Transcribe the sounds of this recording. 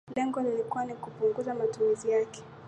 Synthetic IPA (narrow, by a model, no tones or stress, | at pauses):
lɛŋɡɔlilikuwanikupuŋɡuzamatumizijakɛ̥